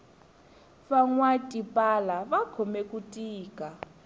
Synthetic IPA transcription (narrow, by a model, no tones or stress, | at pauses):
faŋwatʼipʼalaβakʰɔmɛkʼutʼiːkʼa